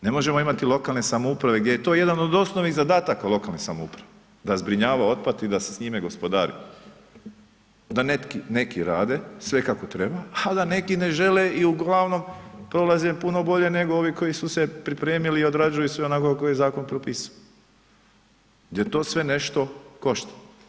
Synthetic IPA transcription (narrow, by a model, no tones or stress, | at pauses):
ne̞moʒe̞mo̞imat̪ilo̞kaːlnesamoupɾaʋe̞ɡd̪ʲjejet̪o̞ːje̞d̪ano̞d̪o̞snoʋnizad̪aːt̪akalˠo̞kalnesamoṵpɾaʋe | d̪azbɾiɲaːʋao̞t̪̚pat̪id̪ase̥sɲimeɡo̞spod̪aːɾḭ | d̪anet̪kine̞kiɾaːd̪e̞sʋe̞kako̞t̪ɾebaad̪ane̞kineʒe̞leiuɡlˠaʋno̞mpɾo̞lazepuno̞bo̞ʎe̞ne̞ɡoo̞ʋiko̞jisuse̞pɾipɾeːmiliːo̞d̪ɾad͡ʒujusʋeonakokakojezaːko̞npɾopiːsao | ɡd̪ʲjet̪o̞ːsʋe̞ne̞ʃt̪o̞ko̞ʃt̪ḁ